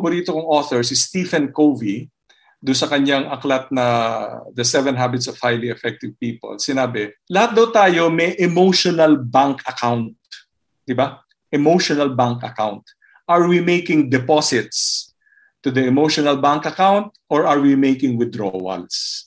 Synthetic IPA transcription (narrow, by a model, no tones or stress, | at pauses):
boɾiːt̪okɐŋoːθɔɹsɪst̪ifɛnkowvi | d̪ʊnsɐkɐɲaŋʔɐklat̪̚nɐd̪ɐsɛvɛ̃nɦabɪt̪sɔv̥hajliɛfɛk̚t̪ɪvpiːpo̰lsɪnaːbɛlɐhat̪̚d̪ɐwt̪aːjo̞mɛʔɛmowʃonɐlbaŋkɐkʰawnt̪̚ | d̪ɪba | ʔɛmowʃonɐlbaŋkɐ̰kawnt̪̚ | ʔɐɹwimejkɪŋd̪ɛposɪt̪s | t̪ʊd̪ɐɛmowʃɔnɐlbaŋkɐkawnt̪̚ʔɔɹɐɹwimejkɪŋwɪd̪ɹo̰wɐ̰ls